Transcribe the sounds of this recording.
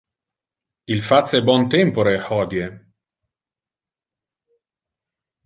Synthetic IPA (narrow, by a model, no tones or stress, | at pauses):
ilfat̪sːɛbwɔnt̪ɛmpoɾehɔːd̪je